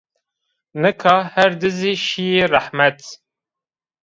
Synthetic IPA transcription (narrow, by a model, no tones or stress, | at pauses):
nəkʰɑhæɾd̪əziʃijirˤɑħmæt̪